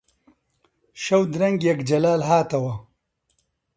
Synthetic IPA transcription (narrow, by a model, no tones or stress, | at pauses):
ʃɐwd̪ɾɐŋɡjɐkd͡ʒɐlaːlɦaːt̪ɐwɐ